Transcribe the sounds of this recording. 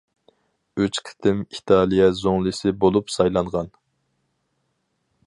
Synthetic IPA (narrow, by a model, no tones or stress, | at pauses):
øt͡ʃqʰɪ̥t̪ʰɪmit̪ʰɑlˠijɛzoŋlˠɨsɪbolˠupsɑjlˠɑɴʁɑn